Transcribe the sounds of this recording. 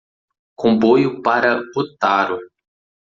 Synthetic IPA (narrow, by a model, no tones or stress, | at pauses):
kõbojʊpaɾɐot̪aɾʊ